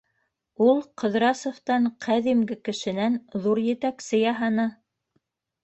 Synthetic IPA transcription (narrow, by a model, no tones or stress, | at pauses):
ulˠqɤ̆ðɾɑsŏft̪ɑɴqʰæðimɡɘkɘ̆ʃɘ̆nænðuɾjɘ̆t̪æksɘjɑɦɑnɑ